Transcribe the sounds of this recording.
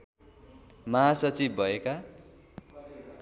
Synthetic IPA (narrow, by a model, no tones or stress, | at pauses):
maɦasʌt͡sibːʱʌeka